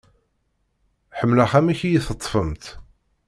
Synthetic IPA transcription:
ħəmːlaχæmiçjiθət̪ˤːfəmt̪

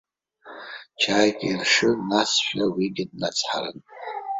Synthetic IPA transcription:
t͡ʃʰaːjkʲʼirʂɨnasʃᶣawiɡʲɪd̚nat͡sʰʼħaɾɨ̰n

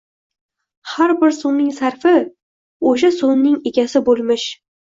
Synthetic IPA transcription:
haɾbɪɾsonːɪŋsaɾfɪ | oʃ̬asonːɪŋe̞ɡʲasɪbolˠmɪʃ

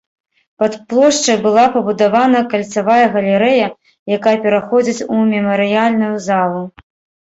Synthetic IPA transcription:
pɐt̪plˠɔʂt͡ʂɐjbɨlˠapɐbud̪avanɐkɐlʲt̪savajɐɣɐlʲɪɾɛjɐ | jakajɐpʲɛɾaxɔd͡zʲit͡sʲumʲɛmɐɾɨjalʲnujuzalˠu

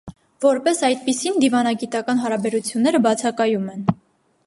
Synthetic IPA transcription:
vɔɾpɛsɑjt̪̚pisind̪ivɑnɑɡit̪ɑkɑnɦɑɾɑbɛɾut͡sʰjunːɛɾəbɑt͡sʰɑkɑjumɛn

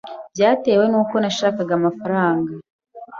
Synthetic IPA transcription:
bjaːte̞we̞nuːkonaʃaːkaɡamafaɾaːŋɡa

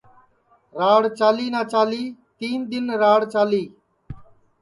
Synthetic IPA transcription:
ɾaːɽt͡ʃaːliːnaːt͡ʃaːliːt̪iːnd̪ɪnɾaːɽt͡ʃaːliː

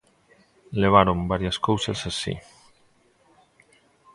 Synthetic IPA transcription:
leβ̞aɾombaɾjaskowsasasḭ

